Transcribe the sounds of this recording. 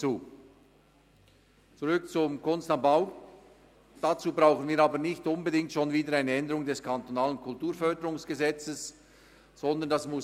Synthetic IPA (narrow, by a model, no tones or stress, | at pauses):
t͡suː | t͡suʁʏkt͡sʊmkʰʊnstanbaʊ | d̥at͡suːbʁaʊxən̩viːɾaːbənɪçtʊnbədɪŋtʃoːnviːdəɾaɪnəɛndəʁʊŋdɛskʰantonaːlənkʰʊltuːfœɐdəɾʊŋsɡ̥əzɛt͡səs | z̥ɔnd̪əndasmʊ